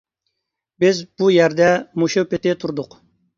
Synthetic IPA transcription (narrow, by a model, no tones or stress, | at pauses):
bɪzbujɛɾd̪ɛmuʃupɪt̪ɪt̪ʰuɾd̪ʊq